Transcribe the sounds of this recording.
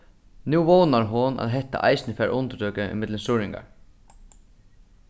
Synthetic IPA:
nuwvɔːwnaɹɦʊnʔa̰ðɦɛht̪a̰ʔa̰jsnɪfɛːɾʔʊnt̪əd̪œːkɪʔɪ̰mɪt̪lɪnsʊɾɪŋka̰ɹ

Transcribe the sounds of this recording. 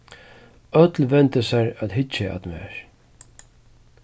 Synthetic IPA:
œt̪lvɛnt̪əsaɹæt̪ɦɪt͡ʃːɪa̰t̪mɛ̰ɹ

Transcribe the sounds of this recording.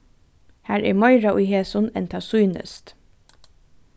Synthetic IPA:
hæːɹɛ̰ɹmɑɪɹaʔʊjɦeːsʊnɛ̰nt̪ʰɑːsuːnə̰st̪

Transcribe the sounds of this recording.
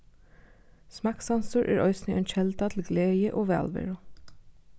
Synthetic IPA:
smɑːksɑnsʊɹʔæ̰ːɹʔœ̰ʏsniʔɛːnc͡çɛld̪ɑt̪ʰl̩ɡleːjəʔoːʋæ̰ːlʋɛ̰ɹʊ

